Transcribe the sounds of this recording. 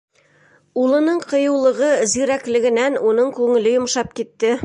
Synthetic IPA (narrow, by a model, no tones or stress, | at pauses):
ulˠɤ̆nɤɴqɤ̆jɤ̆wlˠɤ̆ʁɤziɾæklɘ̆ɡɘ̆nænunɤɴkʉŋɘ̆lɘjŏmʃɑp̚kit̪ːɘ